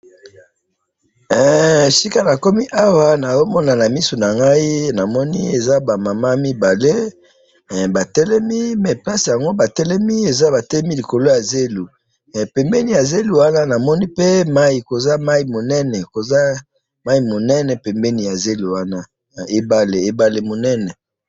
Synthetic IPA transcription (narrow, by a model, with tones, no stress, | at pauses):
ɛ˨si˦ka˦na˨ko˦mi˦ʔa˦wa˦na˨jo˦mɔ˦na˨na˨mi˦so˨na˨ŋɡa˦i˦na˨mɔ˦nḭ˦e˨za˦ba˨ma˨ma˦mi˦ba˨le˦˨ | ba˨tɛ˦lɛ˦mi˦mɛ˨pa˦si˨ja˨ŋɡo˦ba˨tɛ˦lɛ˦mi˦e˨za˦ba˨tɛ˦lɛ˦mi˦li˨ko˨lo˦ja˨ze˦lu˨ | pɛ˨mbɛ˦ni˨ja˨ze˦lu˨wa˦na˦na˨mɔ˦ni˦pe˦ma˦i˨ko˨za˦ma˦i˨mo˨nɛ˦nɛ˨ko˨za˦ | ma˦i˨mo˨nɛ˦nɛ˨pɛ˨mbɛ˦ni˨ja˨ze˦lu˨wa˦na˦˨ | e˨ba˨le˨e˨ba˨le˨mo˨nɛ˦nɛ˨